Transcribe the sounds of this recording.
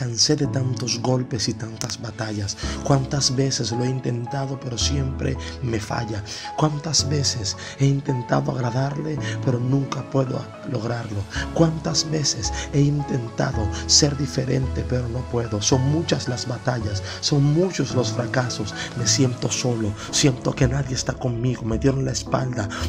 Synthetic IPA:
kanse̞ðe̞t̪ant̪o̞zɣo̞lpe̞sit̪ant̪azβat̪aʝaskwant̪azβe̞sezloeint̪e̞nt̪aðo̞pe̞ɾo̞sje̞mpɾeme̞fa̰ʝakwant̪azβe̞ses | e̞int̪e̞nt̪a̰ðoa̰ɣɾaðaɾle̞pe̞ɾo̞nũŋkapwe̞ðo̰ | lo̞ɣɾaɾlo̞kwant̪azβe̞sese̞int̪e̞nt̪aðose̞ɾðife̞ɾe̞̰nt̪e̞pe̞ɾono̞pwe̞ðo̞so̞ŋmut͡ʃaslazβat̪aʝasːo̞ŋmut͡ʃo̞slo̞sfɾakaso̞sme̞sje̞nt̪o̞so̞lo̞ | sje̞nt̪o̞ke̞naðje̞ːst̪ako̞ŋmiɣo̞meðje̞ɾonlaespa̰ld̪a

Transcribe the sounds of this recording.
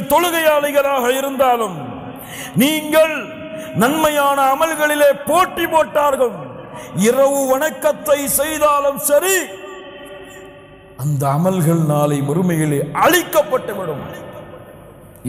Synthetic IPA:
t̪ɔɻɯɣɐjaːlɐɪɣɐɭaːɣɐɪɾɯnd̪aːlɯm | niːŋɡɐɭ | nɐnmɐjaːnɐːmɐlɣɐɭɪleːpoːʈːipoːʈːaːɾɣɐɭmɪrɐʋɯʋɐɳɐkːɐt̪ːɐɪsɛjðaːlɯmsɐɾi | ɐnd̪ɐːmɐlɣɐɭnaːlɐɪmɔɾɯmɐjɪleːʔɐɻɪkːɐpːɐʈːɐʋɪɽɯm

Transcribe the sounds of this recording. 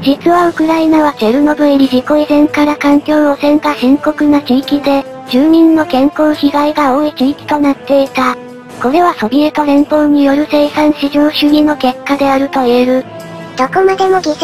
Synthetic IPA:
d͡ʑit͡sɨβaɯ̟kɯ̟ɾainaβaze̞ɾɯ̟no̞bɯ̟ɾʲiʑiko̞izẽ̞ŋkaɾakãŋkʲo̞ːosẽ̞ŋkahẽ̞ŋko̞kɯ̟nat͡ɕiːkʲid̪e̞ | d͡ʑɨːɲ̟ĩnːo̞kẽ̞ŋko̞ːçiɡaiɡao̞ːit͡ɕiːkʲi̥t̪o̞nat̪ːe̞it̪a | ko̞ɾe̞βaso̞bʲiet̪o̞ɾẽ̞mpo̞ːɲ̟ijo̞ɾɯ̟se̞isãɰ̃ɕiʑo̞ːɕɨɲ̟ino̞ke̞kːad̪e̞aɾɯ̟t̪o̞eɾɯ̟ | d̪̥o̞komad̪e̞mo̞ɡʲi

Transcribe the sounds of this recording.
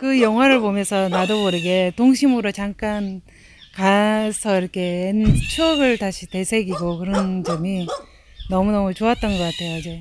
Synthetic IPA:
kɯjʌŋɦwaɾɯɭpomjʌnsʰʌnadoboɾeɡe̞toŋɕʰimɯɾot͡ɕaŋk͈an | kasʰʌiɾʌkʰe̞ent͡ɕʰuɡɯɭtaɕʰite̞sʰe̞ɡiɡokɯɾʌnd͡ʑʌmi | nʌmunʌmut͡ɕoat̚t͈ʌnɡʌk͈atʰe̞joid͡ʑe̞

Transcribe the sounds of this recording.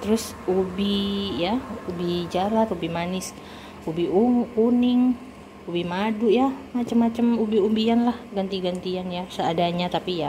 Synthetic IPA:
t̪əɾʊs | ubijaubid͡ʒalat̪ubimanɪs | ubiʔuŋuʔkunɪŋ | ubimadʊʔjamat͡ʃamːat͡ʃamubiumbianlahɡant̪iɡant̪ianjasəadaɲat̪apija

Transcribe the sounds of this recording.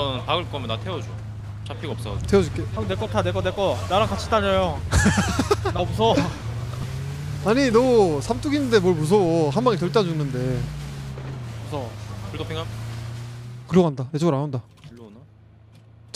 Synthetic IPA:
ʌnpaɡɯɭk͈ʌmjʌnatʰewʌd͡ʑu | t͡ɕapʰiɡaʌps͈ʌtʰe̞ʌd͡ʑuk͈eanek͈ʌtʰanek͈ʌnek͈ʌnaɾaŋkat͡ɕʰi̥t͈aɲejo | nabus̬ʰʌ | aɲinʌsʰamt͈uɡinːɯnde̞mwʌɭmus̬ʰʌɦanmaŋit͡ɕʌɭt͈ad͡ʑunɯnde̞ | busʰʌkuɭdopʰeŋɦan | kɯɾʌɡɦandaet͡ɕʰoɡɯɾaonda | uʎona

